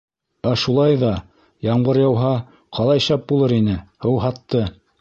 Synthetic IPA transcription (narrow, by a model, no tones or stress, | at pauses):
æʃulˠɑjðɑ | jɑɴbɤɾjɑwɦɑ | qʰɑlˠɑjʃæp̚bulˠɤɾinɘhɤwɦɑt̪ːɤ